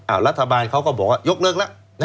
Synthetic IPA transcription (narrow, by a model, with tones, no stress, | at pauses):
aː˨˩wɾa˦˥t̪ʰːa˧baː˧nkʰa˦˥wkɔː˥˩bɔː˨˩k̚waː˧˩jo˦˥k̚lɯ˥˩k̚la˦˥ʔ | na˦